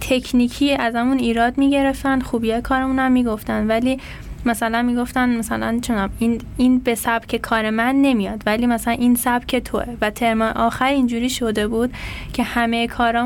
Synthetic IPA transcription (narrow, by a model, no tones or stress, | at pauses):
t̪ʰe̞kʰniːkʰiːæzæmuniːɾɒːd̪miːɟe̞ɾe̞ft̪ænd̪̥xuːbiːjɒːjekʰɒːɾemuːnæmːiːɡoft̪ænd̪væliː | mæsælænmiːɡo̞ft̪ænmæsælæ̰nt͡ʃʰonæmin | inbe̞sæb̥cʰe̞kʰɒːɾe̞mænːe̞mijɒːd̪̥væliːmæsælænʔiːnsæb̥cʰe̞t̪ʰo̞̰ʔevæt̪ʰe̞ɾmɒʔɒːxæɾind͡ʒuːɾiːʃod̪e̞buːd̪̥cʰe̞hæmejekʰɒːɾɒː